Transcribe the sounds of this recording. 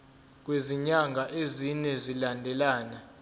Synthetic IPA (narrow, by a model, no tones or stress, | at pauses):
k̬weziɲaŋɡʱaʔezinɛzilandʱɛlaːna